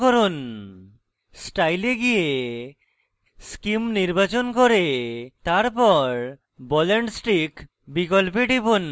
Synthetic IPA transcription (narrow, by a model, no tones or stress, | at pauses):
kɔɾun | sʈajleɡije | skimniɾbat͡ʃɔnkɔɾet̪aɾpɔɾ | bɔleɳɖsʈik | bikɔlpeɖibun